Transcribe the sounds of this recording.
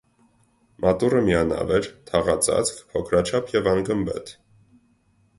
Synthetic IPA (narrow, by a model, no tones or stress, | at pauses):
mʔɑt̪urəmiɑnɑ̰vɛɾt̪ʰɑʁɑt͡sʰɑ̰t͡sʰkʰpʰɔkʰɾɑt͡ʃʰɑpʰjɛvɑŋɡəmbɛ̰t̪ʰ